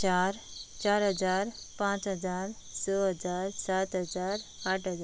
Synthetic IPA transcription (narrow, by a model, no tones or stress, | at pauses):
aɾt͡ʃaɾɦəd͡zaɾ | pãt͡ʃɦəd͡zaɾ | sɔɦəd͡zaɾsat̪ɦəd͡zaɾaʈʰɦəd͡za